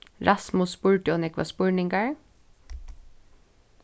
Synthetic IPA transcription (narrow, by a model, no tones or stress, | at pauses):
ɾʔɑsmʊspʊɹʈɪɔnɛkʋɑ̰spʊɹnɪŋɡaɹ